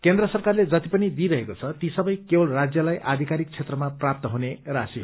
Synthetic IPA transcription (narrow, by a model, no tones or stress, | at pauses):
kend̪rʌsʌrkarled͡zʌt̪ipʌnid̪iɾʌɦekot͡sʰʌt̪isʌbʌjkebʌlrad͡zjʌlajʔad̪ʱikaɾik̚t͡sʰet̪rʌmaprap̚t̪ʌɦunerasi